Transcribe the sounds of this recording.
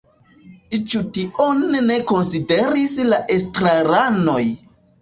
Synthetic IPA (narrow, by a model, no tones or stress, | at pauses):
it͡ʃutiʔonːe̞ko̞nside̞ɾislaʔestɾaɾano̞j